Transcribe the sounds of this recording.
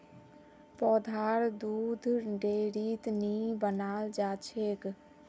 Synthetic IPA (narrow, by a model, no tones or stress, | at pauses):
pɔd̪ʱaɾd̪ud̪ʱɖeɾit̪nibənald͡ʒat͡ʃʰek